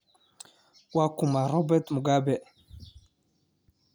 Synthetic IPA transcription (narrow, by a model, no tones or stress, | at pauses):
wakumaɾɔbɛt̪muɡabɛ